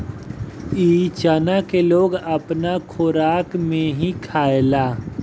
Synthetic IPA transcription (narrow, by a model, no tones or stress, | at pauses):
iːt͡ʃaːnakeloːɡɐpnakʰoːɾaːkmẽɦĩkʰaːelaː